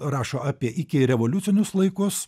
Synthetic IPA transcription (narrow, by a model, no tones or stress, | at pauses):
ɾɑːʃoːɑːpʲiɛʔɪkʲɪɾʲɛʋoːlʲʊt̪sʲɪnʲʊslˠɐɪkʊs